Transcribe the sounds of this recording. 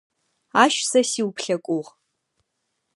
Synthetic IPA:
aʃsɐsiwpʰɬɐkʷʼuʁ

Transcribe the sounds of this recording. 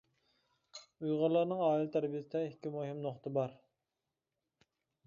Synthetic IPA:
ujʁɑlˠɑɾnɨŋɑːilt̪ʰæɾbijsɨd̪ɛɪkʲʰːimuɦimnoχt̪ʰɨbɑɾ

